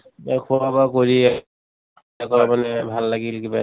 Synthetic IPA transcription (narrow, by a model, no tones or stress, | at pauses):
akʰuɹabakoɹiɛ | akɔɹamanɛbʱalːaɡilkiba